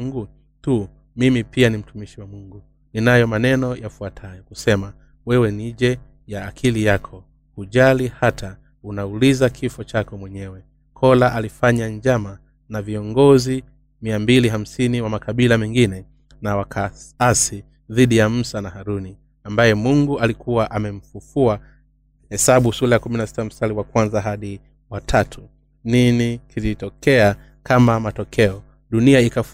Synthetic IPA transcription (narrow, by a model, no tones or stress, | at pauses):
ɡu | tu | mimipianim̩tumiʃiwamuŋɡu | ninajɔmanɛnɔjafuatʰajɔkusɛma | wɛwɛniʄɛ | jaːkʰilijakʰɔ | huʄalihatʰa | unaulizakʰifɔt͡ʃakɔmwɛɲɛwɛ | kʰɔlaʔalifaɲaɲd͡ʒama | naviɔŋɡɔzi | miambiliɦam̩siniwamakaɓilamɛŋɡinɛ | nawakʰaasi | ðiɗijam̩sanahaɾuni | ambajɛmuŋɡualikuwaʔamɛm̩fufua | hɛsaɓusulajakuminasi̥tam̩saliwakwanzaɦaɗi | watʰatʰu | ninikʰilitɔkʰɛa | kamamatɔkʰɛɔ | ɗuniaikaf